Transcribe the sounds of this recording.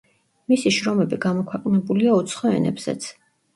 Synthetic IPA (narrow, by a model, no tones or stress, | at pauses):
misiʃɾɔmɛbiɡamɔkʰwɛqʼnɛbuliaut̪sʰχɔɛ̰nɛ̰bz̥ɛ̰t̪sʰ